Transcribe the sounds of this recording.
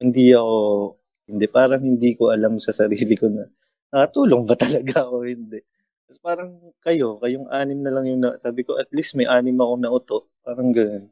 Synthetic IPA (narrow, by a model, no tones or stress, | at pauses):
hɪnd̪iɐko̞ | hɪnd̪ɛpaːɾɐŋhɪnd̪iːko̞ʔɐlamsɐsɐɾiːlɪko̞nɐ | nɐkɐt̪uːloŋbɐt̪ɐlɐɡaɐko̞hɪnd̪ɛ | ɐspaːɾɐŋ | kɐjo̞kɐjoŋʔaːnɪmnɐlɐŋjʊŋnɐsaːbɪko̞ʔɐt̪̚lismɐjʔaːnɪmɐko̞nɐʔʊt̪o̞ʔpaːɾɐŋɡɐno̞n